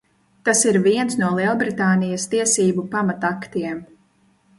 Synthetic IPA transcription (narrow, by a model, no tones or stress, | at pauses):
t̪asiɾviɛnsnuɔlˠiɔbɾit̪aːnijɐst̪iɛsiːbupamat̪akt̪iɛm